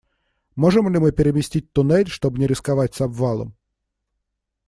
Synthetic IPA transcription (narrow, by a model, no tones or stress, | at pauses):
moʐɨmlʲɪmɨpʲɪɾʲɪmʲɪsʲtʲit̚ʲt̪ʊnɛlʲʂt̪obnʲɪɾʲɪskavatʲsɐbvalˠə̰m